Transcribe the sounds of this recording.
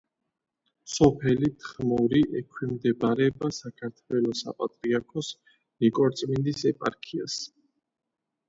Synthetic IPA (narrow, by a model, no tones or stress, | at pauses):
sɔpʰɛlit̪ʰχmɔɾiʔɛkʰwimd̪ɛbaɾɛbasakʰaɾt̪ʰwɛlɔsa̰pʼat̪ʼɾiaɾkʰɔs | nikʼɔɾt̪sʼmind̪isɛpʼa̰ɾkʰia̰s